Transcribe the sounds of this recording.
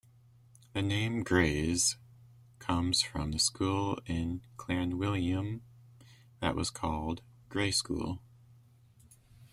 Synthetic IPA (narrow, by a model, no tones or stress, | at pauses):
ðɨnẽɪ̃mɡɹeɪz̥ | kʰʌ̃mz̥fɹʌ̰̃mðɨskulˠɪ̃nkʰl̥ɛɹ̃nwɪlˠjɨ̃m | ðɨ̰ʔwʌ̰z̥kʰɔlˠd̚ | ɡ̥ɹeɪskṵlˠ